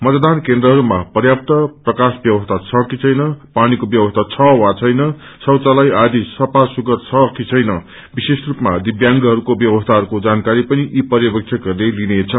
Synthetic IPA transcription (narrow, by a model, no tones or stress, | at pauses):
mʌt̪d̪ankend̪rʌɦʌɾumapʌrjap̚t̪ʌprʌkasbjʌbʌst̪ʰat͡sʰʌkit͡sʰʌjnʌpanikobjʌbʌst̪ʰat͡sʰʌwat͡sʰʌjnʌ | sʌwt͡salajad̪ʱisʌpasuɡʌt̪t͡sʰʌkit͡sʰʌjnʌ | bisesrupmad̪ibjaŋɡʌɦʌɾukobjʌbʌst̪ʰaɦʌɾukod͡zankaɾipʌniʔipʌɾjʌbʌk̚t͡sʰekʌɾlelinet͡sʰʌ